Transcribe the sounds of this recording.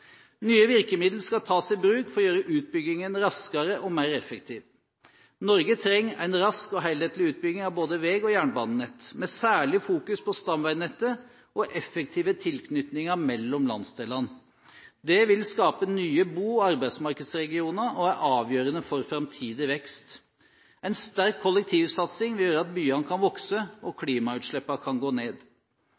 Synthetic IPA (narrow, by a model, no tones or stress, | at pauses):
nyːəʋɪɾkəmɪd̪l̩skɑt̪ʰɑːsɪbɾʉːkfɔɾɔjøːɾəʔʉːt̪̚bʏɡɪŋənɾɑskɑɾəʔɔmæɪɾɛfək̚t̪ʰiːʋ | nɔɾɡət̪ʰɾɛŋːæ̰ɪnɾɑskɔɦæɪlheːt̪lɪʉːt̪̚bʏɡnɪŋɑʋboːd̪əʋeːɡɔjæːɳbɑːnənɛt̪ːmɛsæːɭɪfuːkʉspʰɔst̪ɑmʋæɪnɛt̪ːə | ʔɔʔɛfːək̚t̪ʰiːʋət̪ʰɪlkʰnʏt̪nɪŋəmɛlːɔmlɑ̰nsd̪eːlɑn | d̪ɛʋɪlskɑːpənyːəbuːɑɾbæɪd̪smɑɾkəd̪sɾɛɡɪuːnəʔɔæɾʔɑːʋjøːɾənəfɔɾfɾɑmt̪ʰiːd̪ɪʋɛkst̪ | æɪnst̪æɾkʰːɔlɛk̚t̪ʰiːʋsɑt̪sɪŋʋɪljøːɾəɑt̪̚byːɑnəkʰɑnʋɔksəɔkʰliːmɑʉːt̪ʂɭɛpːɑkʰɑnɡoːneːd̪